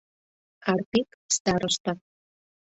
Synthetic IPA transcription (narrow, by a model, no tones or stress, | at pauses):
ɑrpikst̪ɑɾəʃt̪ɑ